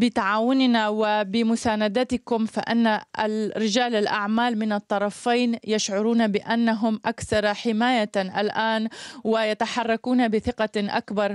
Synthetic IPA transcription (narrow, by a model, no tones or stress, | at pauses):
bɪt̪aʕaːwʊnɪnawɪbɪmʊsaːnad̪at̪ɪkʊmfa̰ʔɪ̰nːaɾɪd͡ʒaːlɪlʔaʕmaːlmɪnɨt̪ˤːɑɾˤɑfaːnjaʃʕʊɾuːnabɪʔanːaɦʊmʔakθɑɾˤħɪmaːjaʔalʔaːnwɪjat̪aħɑrˤːɑkuːnabɪθɪqɑʔa̰kbɑɾˤ